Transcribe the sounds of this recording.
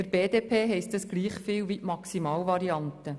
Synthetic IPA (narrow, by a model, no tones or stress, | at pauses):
əɾb̥eːdeːpʰeːɦɛɪstəsɡ̥liːχfɪːwʋiʔmɑksimɑːlvɑɾiɑnt̪ə